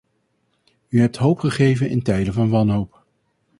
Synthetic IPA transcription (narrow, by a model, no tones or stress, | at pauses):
yɦɛp̚tɦowpχəχejvənɪ̰ntɛjdənvɑnʋɑnɦowp̚